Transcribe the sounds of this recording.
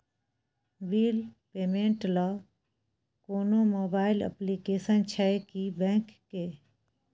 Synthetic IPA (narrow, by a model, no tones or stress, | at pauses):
biːlpeːmẽɳʈla | koːnomoːbaːɪlə̰plikeːsənt͡ʃʰɛekibɛ̃ːkːeː